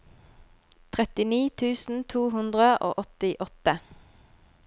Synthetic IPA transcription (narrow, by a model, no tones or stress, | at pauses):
t̪ʰʁɛt̪ɪniːt̪ʰʉːsn̩t̪ʰuːɦʉnd̪ʁəʔo̰ːʔɔt̪ɪʔɔt̪ə